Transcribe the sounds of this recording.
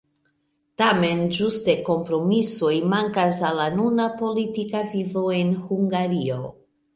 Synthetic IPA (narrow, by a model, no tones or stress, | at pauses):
tame̞nd͡ʒuste̞ko̞mpɾo̞miso̞jmaŋkasalanunapo̞litikavivo̞e̞nhuŋɡaɾio̞